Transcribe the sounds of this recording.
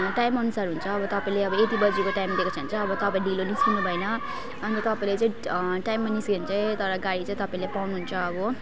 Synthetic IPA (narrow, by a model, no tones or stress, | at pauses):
ʈajmʌnusaɾɦunt͡sʰʌːbʌt̪ʌpaĩleʌbʌet̪ibʌd͡zikoʈajmd̪ekot͡sʰʌnt͡sʌʌbʌt̪ʌpaĩɖiloniskinubʱʌjnʌ | ʌnit̪ʌpaĩlet͡sãĩʈajmːaniskent͡saĩt̪ʌɾʌɡaɽit͡sãĩt̪ʌpaĩlepawnuɦunt͡sʰʌːbʌ